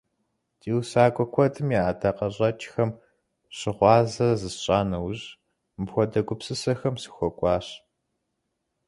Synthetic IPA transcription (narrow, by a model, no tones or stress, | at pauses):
dʰiːwsaːkʷʼɔkʷʰɔdɨmjiaːdʰɐqɐɕʼɐt͡ʃʼxɐm | ɕɪʁʷɑːzɐrzɨsɕʼaːnɐwʑ | mɨpxʷɔdɐɡʷʊpsɨsɐxɐmsɨ̥xʷɔkʷʼɑːɕ